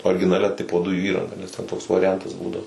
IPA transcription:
oːrʲɡʲɪnɐˈlʲɛ ˈtʲɪpoː ˈdʊjuː ˈiːrɐŋɡɐ nʲɛs ˈtʲɛn toːks ʋɐrʲɪˈjɛntɐs ˈbuːdɐʋoː

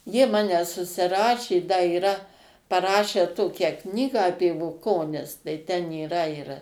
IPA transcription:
jiɛ ˈmɑːnʲɛ sʊsʲɪˈrɑːʃʲeː dɐ iːˈrɐ pɐˈrɑːʃʲæː ˈtoːkʲæː ˈknʲiːɡɑː ˈɑːpʲiɛ bʊˈkoːnʲɪs tɐɪ ˈtʲɛn iːˈrɐ ɪr

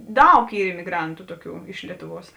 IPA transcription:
ˈdɐʊk ˈiː ɪmʲɪˈɡrɐntʊ ˈtuɔˌkʲuː ɪʃ ˈlʲiɛtʊˌʋuɔs

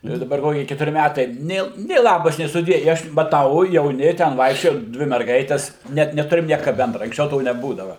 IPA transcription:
jɛʊ ɪ dɐˈbɐr ˈkoːkʲɪ kʲɛtʊˈrʲɪ ˈmʲætɐɪ ˈnʲeː nʲeː ˈlˠɑːbɐs nʲeː sʊˈdʲiɛ ɪ ˈɐʃ mɐˈtɐʊ jɛʊˈnʲɪ tʲɛn ˈʋɐɪkʃʲt͡ʃʲoːjɛ ˈdʲʋʲɪ mʲɛrˈɡɐɪtʲɛs nʲɛt nʲɛˈtʊrʲɪm ˈnʲiɛkɐ ˈbʲɛndrɐ ɐŋksʲˈt͡ʃʲɛʊ ˈtoː nʲɛˈbuːdɐʋɐ

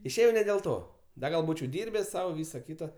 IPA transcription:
ɪʃʲˈeːjɛʊ nʲɛ dʲeːlˠ ˈtoː ˈdɐ ɡɐlˠ ˈbuːt͡ʃʲɛʊ ˈdʲiːrʲbʲɛs ˈsɐʊ ˈʋʲiːsɐ ˈkʲiːtɐ

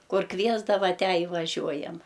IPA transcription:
ˈkʊr ˈkʋʲiɛzdɐʋɐ ˈtʲæː ɪ ʋɐˈʒʲuɔjɛm

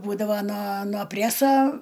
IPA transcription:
ˈbuːdɐʋɐ nɐ noː ˈpʲrʲæsɐ

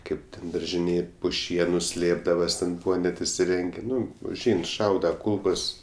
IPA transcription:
ˈkɐɪp tʲɛn dɐrʲʒʲɪˈnʲeːj pʊ ˈʃʲiɛnʊ ˈsʲlʲeːbdɐʋɐs tʲɛn ˈbuːʋɐ nʲɛt ɪsʲɪˈrʲɛŋʲɡʲeː ˈnʊ ʊʒʲˈɛɪn ˈʃɐʊdɐ ˈkuːlˠkoːs

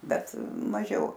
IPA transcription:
ˈbʲɛt mɐˈʒʲɛʊ

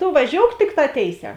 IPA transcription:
toː ʋɐˈʒʲoːʊk ˈtʲɪkˌtɑː ˈtʲeːɪˌsʲɛː

